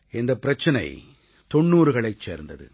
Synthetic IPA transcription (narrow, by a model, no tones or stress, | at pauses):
ɪnd̪ɐpːɪɾɐt͡ʃːɐnɐ̰ɪ | t̪ɔɳːuːɾɯɣɐɭɐɪt͡ʃːḛːɾnd̪ɐ̰ðɯ̰